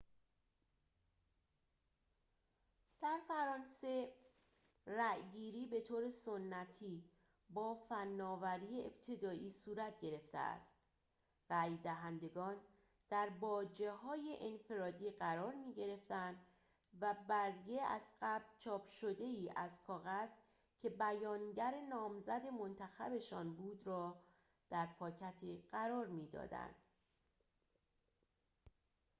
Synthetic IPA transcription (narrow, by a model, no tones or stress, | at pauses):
d̪̥æɾfæɾɒːnse̞ | ræjɡiːɾiːbe̞t̪ʰoːɾe̞so̞nːæt̪ʰiː | bɒːfænːɒːvæɾiːjeebt̪ʰe̞d̪ɒːʔiːsuːɾæt̪ʰɟe̞ɾe̞ft̪ḛʔæ̰st̪ | ræjd̪æɦænd̪e̞ɡɒːn | d̪̥æɾbɒːd͡ʒe̞hɒːjeʔenfe̞ɾɒːd̪iːɢæɾɒːɾmiːɟe̞ɾe̞ft̪ænd̪ | væbæɾjeæ̰zɢæblt͡ʃʰɒːpʰʃo̞d̪e̞iːʔæzkʰɒːɣæz | cʰe̞bæjɒːnɟæɾe̞nɒːmzæd̪e̞mo̞nt̪ʰæxæ̰be̞ʃɒːnbuːd̪rɒː | d̪̥æɾpʰɒːcʰæt̪ʰiɢ̥æɾɒːɾmiːd̪ɒ̰ːd̪æ̰nd̪̥